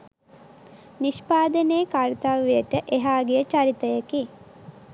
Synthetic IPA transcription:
niʃpaːd̪əneːkaɾt̪aʋʋejəʈəʔeɦaːɡejət͡ʃaɾit̪əjəki

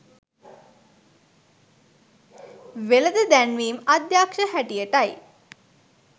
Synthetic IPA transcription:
ʋeləd̪əd̪ænʋiːmɐd̪jaːkʂəhæʈijəʈaj

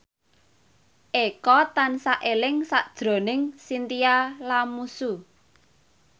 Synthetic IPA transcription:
ʔekɔt̪ansaʔelɪŋsaʔd̥ʒ̥ɾo̤nɪŋsint̪ijalamusu

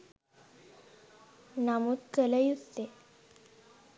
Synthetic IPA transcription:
namuːt̪kələjust̪e

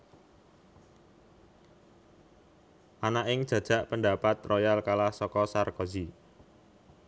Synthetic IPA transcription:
ʔanaʔɪŋd̥ʒ̥ä̤d̥ʒ̥a̤ʔpəndapat̪rɔjalkalahsɔkɔsarkozi

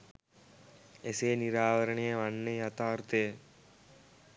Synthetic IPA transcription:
eseːniɾaːʋɐɾɐɳejɐʋɐnːejɐt̪aːɾt̪ɐjɐ

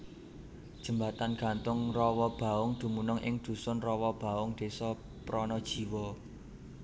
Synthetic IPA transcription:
d̥ʒ̥ə̤mbat̪anɡ̥a̤nt̪ʊŋrɔwɔb̥a̤ʊŋd̪̥ṳmunʊŋʔɪ̰ŋd̪̥ṳsʊnrɔwɔb̥a̤ʊŋd̪̥e̤sɔ | pɾɔnɔd̥ʒ̥i̤wɔ

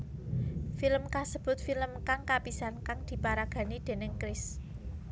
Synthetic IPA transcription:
filəmkasəb̥ʊ̤t̪̚filəmkaŋkapisankaŋd̪̥i̤paɾaɡ̥ä̤nid̪̥e̤nɪŋkɾɪs

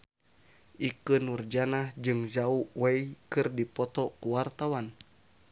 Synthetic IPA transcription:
ʔikɨnurd͡ʒanahd͡ʒɨŋzauwɛikɨrdipɔt̪ɔkuwart̪awan

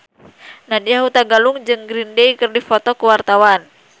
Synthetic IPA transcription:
nadiaɦut̪aɡaluŋd͡ʒɨŋɡɾindeikɨrdifɔt̪ɔkuwart̪awan

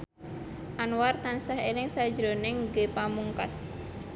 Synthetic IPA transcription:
ʔanwart̪ansaɦelɪŋsḁd͡ʒɾonɛŋɡepamuŋka̰s

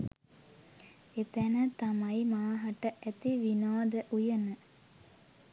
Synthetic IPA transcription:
et̪ænət̪amajmaːɦɐʈəʔæt̪iʋinaːd̪əʔujənə

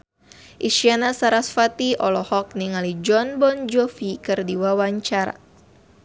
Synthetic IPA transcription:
ʔiʃianasaɾasfat̪iɔlɔhɔk̚niŋalid͡ʒɔnbɔnd͡ʒɔfikɨrdiwawaɲt͡ʃaɾa̰

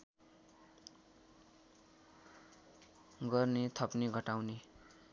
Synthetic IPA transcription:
ɡʌrnet̪ʰʌpniɡʱʌʈawne

